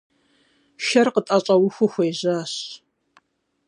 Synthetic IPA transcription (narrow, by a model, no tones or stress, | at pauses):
ʃɐrqətʼaːɕʼɐwʊxʷʊxʷejʑaːɕ